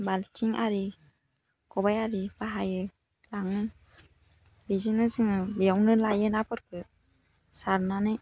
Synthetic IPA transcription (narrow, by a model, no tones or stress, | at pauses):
baltʰiŋaɾi | kɔbajaɾibaɦajɯ | laŋɯ | bizinɯsɯŋɯbijawnɯlajɯnapʰɯɾkʰɯ | saɾnanɯj